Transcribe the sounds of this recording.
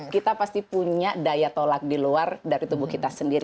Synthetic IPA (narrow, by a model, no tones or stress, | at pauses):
kit̪apast̪ipuɲadajat̪olak̚diluardaɾit̪ubuhkit̪asəndiɾi